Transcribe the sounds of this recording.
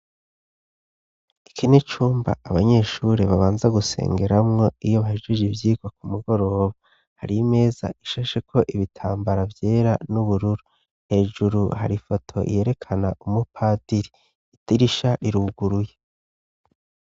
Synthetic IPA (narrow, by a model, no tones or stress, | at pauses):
i̥kʰinet͡ʃuːmba̰aβaɲe̞ːʃuɾeβaβaːnzaɡuse̞̰ːŋɡe̞ɾamŋo̞ijoβaheʒɡiʒivjiːɡwak̚umuɡo̞ɾo̞ːβa | ha̰ɾime̞ːza̰iʃaʃe̞kʰo̞ʔiβitʰaːmbaɾavje̞ːɾanuβuɾuɾu | he̞ːʒuɾuha̰ɾifo̞tʰo̞̰ʔḭje̞ɾe̞kʰanaumupʰaːdiɾi | tiɾiʃaɾiɾuːɡuɾuje